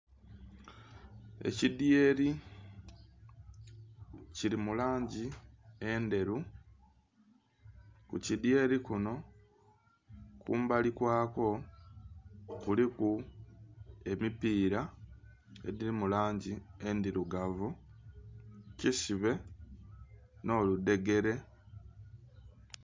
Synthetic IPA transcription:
e̞̰cidje̞ɾi | ciɾimulaːɲɟie̞nde̞ɾu | kṵcidje̞ːɾikuno̞ | kuːmbalikwaːko̞ | kuliku | e̞mipiːɾa | ḛdiɾimulaːɲɟie̞ndiɾuɡavu | cisiβe̞ | no̞ːlude̞ɡe̞ɾe̞

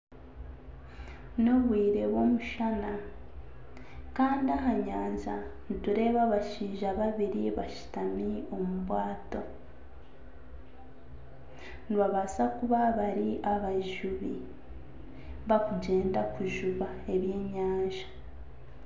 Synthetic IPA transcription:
no̞βwiːɾe̞βwo̞muʃana | kaːndiaɦaɲaːɲzanituɾe̞ːβaβaʃiːʒaβaβiɾiβaʃi̥tamio̞muβwaːto̞ | nβaβasakuβaβaɾiʔaβaʒuβi | βakuɟe̞ːndakuʒuβa | e̞βje̞ːɲaːɲʒa

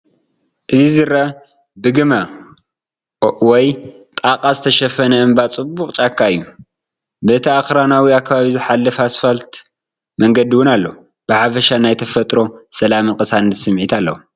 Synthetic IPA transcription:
ʔɨzizɨɾɐ | bɨɡɨma | wɔj | t̪ʼaqʼazɨt̪ʰɐʃɐfɐnɐɨmbat͡sʼɨbːuqʼt͡ʃʼakʰːaɨjːu | bɨɨt̪ʰiaxɾanawiakʰːaβaβizɨħalːɨfasfalt̪ | mɐŋɡɐd̪iwʊnalːɐ | b̥ɨħafɐʃanajt̪ʰɐfɐt̪ʼɾo̞sɐlamɨnkʼɨsand̪sɨmʕit̪ʰalːɐ̰wu

